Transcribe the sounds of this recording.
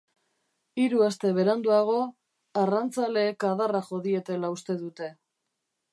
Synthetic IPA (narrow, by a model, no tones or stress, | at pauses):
iɾuast̪e̞β̞e̞ɾand̪uaɣ̞o̞ | arant͡sale̞ːkaðaraʝo̞ðie̞t̪e̞laust̪e̞ðut̪e̞